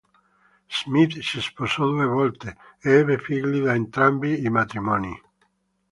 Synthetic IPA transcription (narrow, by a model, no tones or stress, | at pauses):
z̥mit̪sisposɔd̪uevɔlt̪eeɛbefiɡliðaent̪ɾambiːmat̪ɾimɔnḭ